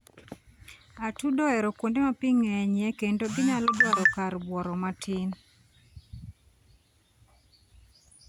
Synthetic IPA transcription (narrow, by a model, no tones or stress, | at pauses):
atudɔɛɾɔkwondemapiŋɛɲɛkendoɡɪɲalɔdɔɾɔkaɾbwɔɾɔmatʰɪn